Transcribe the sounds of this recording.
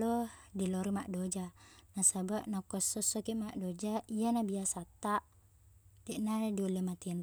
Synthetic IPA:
lɔdilɔɾimaʔdod͡ʒanasabaʔnakɔsːɔsːɔkimaʔdod͡ʒaijanabiasat̪ːaʔ | dɛʔnadiolːemat̪in

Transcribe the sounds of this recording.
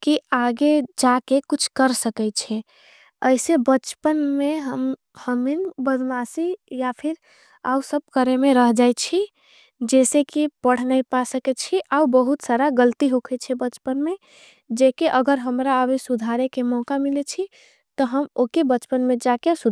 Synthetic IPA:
kiaɡed͡ʒakekut͡ʃʰkəɾsəkɛt͡ʃʰɛ | əɪsebət͡ʃpənmeɦəm | həminbəd̪masijapʰiɾ | a̰usəb̚kəɾemeɾəɦd͡ʒajt͡ʃʰi | d͡ʒɛsekipəɽ̤najpasəkɛt͡ʃʰiʔaubəɦut̪saɾaɡəlt̪iɦokʰɛt͡ʃʰɛbət͡ʃpənme | d͡ʒekeʔəɡəɾɦəmɾaəbesud̪ʱaɾekemɔkamilet͡ʃʰi | t̪ɔɦəmokebət͡ʃpənmẽd͡ʒakesud̪

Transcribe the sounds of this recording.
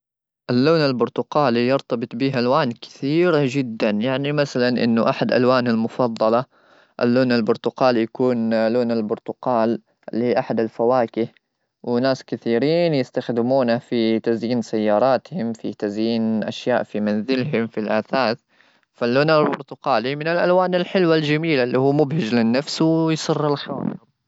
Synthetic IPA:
ʔalːoːnalbʊɾt̪ʊqɑːlijɑɾt̪ɑbɨt̪ˤbiːɦʔalwaːnkɪ̥θiːɾad͡ʒɪd̪ːanjaʕnimasalanʔɪ̰nːʊʔaħad̪ʔa̰lwaːnalmʊfɑðˤːɑlɑ | ʔalːoːnalbʊɾt̪ʊqɑːljakuːnloːnalbʊɾt̪ʊqɑːl | ʔɪlːhiːʔaħad̪alfawaːkɪh | wɪnaːskɪθiːɾiːnjɪst̪axd̪ɪmuːnafit̪azjiːnsajːɑːɾˤɑːt̪hɪmfit̪azjiːnʔa̰ʃjaːʔfimanzɪlɦɪmfilʔaːθaːθ | falːoːnalbʊɾt̪ʊqɑːlimɪnɪlʔalwaːnalħɪlwald͡ʒamiːlalːiːhuːmʊbhɪd͡ʒlɪnːafswjsˤɨrːalxa̰ːn

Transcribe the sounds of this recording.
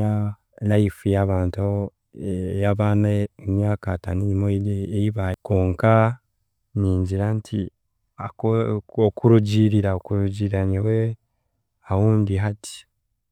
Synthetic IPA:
a | laifujaβaːnta | jaβaːnaemɲaːkataniimoeiβakoːŋka | niːɲɟiɾantʰi | a | okuɾuɟiɾiɾaokuɾuɟiɾaɲawe | awuːndiɦati̥

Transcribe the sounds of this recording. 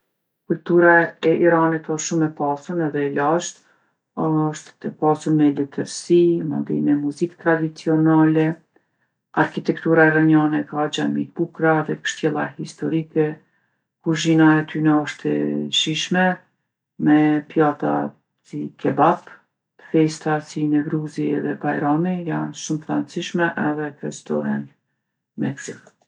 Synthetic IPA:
kult̪uɾaɛiɾanit̪ɔʃʃumɛpasunɛðɛlaʃt̪ | ɔʃt̪ɛpasunmɛlɛt̪əɾsimɔ̰nd̪ḭmɛmuzikt̪ɾad̪it͡siɔnalɛ | aɾkit̪ɛk̚t̪uɾaɛɾaɲanɛkad͡ʒamit̪̚bukɾaðɛkə̥ʃt̪jɛlˠahist̪ɔɾikɛ | kuɾʒinaɛt̪ʰynaɔʃt̪ɛ̰ʃiʃmɛ | mɛpjat̪a̰ | sikʰɛbap | t̪ə̥fɛst̪asinɛvɾuziɛðɛbajɾamijanʃumfɾansiʃmɛʔɛðɛkɾɛst̪ɔ̰ɾan | mɛkzik

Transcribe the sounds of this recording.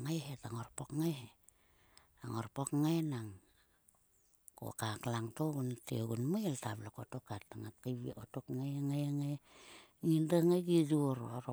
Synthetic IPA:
ŋajɦetaŋorpokŋajhe | aŋorpokŋajnaŋ | ko̰kaklaŋtoɡuntḛoɡunmajeltablokotokatːaŋat̚kajβiotokŋajŋajaŋaj | ŋindaŋajɡid͡ʒuɾoɾo

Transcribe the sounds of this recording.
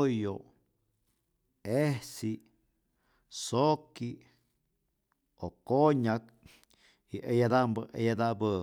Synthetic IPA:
jo | ehsi | soki | okoɲak̚ | iʔejad̪ambəʔḛjad̪abə

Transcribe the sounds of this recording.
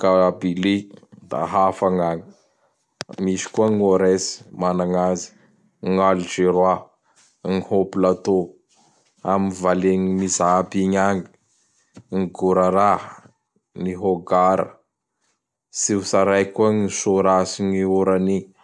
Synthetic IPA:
kabilid̪a̰ɦafaŋaŋi̥ | misi̥kuaŋoɾesi̥manaŋazi̥ | ŋaliʈ͡ʂeɾwa | ŋihopilat̪o | aminvaleŋimizabiɲaŋi̥ | ŋiɡuɾaɾa | niɦoɡaɾə̰ | sisaɾajkuaŋisoɾasiɲiuɾani

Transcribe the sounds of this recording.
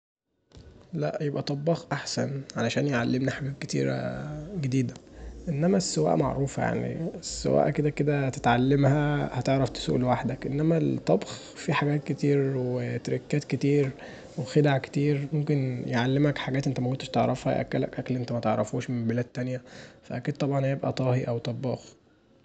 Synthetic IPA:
læʔjebʔæt̪ˤɑbːɑxʔaħsænʕalæʃæːnjeʕalːemniħabæːb̚ke̥t̪ḭːɾæ̰ɡed̪iːd̪æʔenːæmæsːewæ̰ːʔma̰ʕɾˤuːfja̰ʕnḭesːḛwæ̰ːʔked̪æked̪æt̪et̪ʕalːemhæhæt̪eʕɾˤɑft̪e̥sṵːʔlwaħd̪ækʔenːæmælt̪ˤːɑbx | fiħaɡæːt̪̚ket̪iːɾwet̪ɾikːæːt̪ket̪iːɾ | wexed̪aʕke̥t̪iːɾmomkenjeʕalːemækħaɡæːt̪ʔent̪æmækont̪e̥ʃt̪eʕɾˤɑfhæ̰jʔæ̰kːælæ̰kʔæklʔent̪æmæt̪eʕɾˤɑfuːʃmembelæːd̪̚ːænjæfæʔækid̪̚t̪ˤɑbʕɑnhjebʔæ̰t̪ˤɑːhiʔæwt̪ˤɑbːɑːx

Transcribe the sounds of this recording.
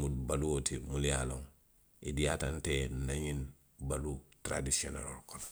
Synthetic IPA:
mudbaluotimulijaloŋ | idijatantenaɲin | balutɾa̰disona̰lolkon

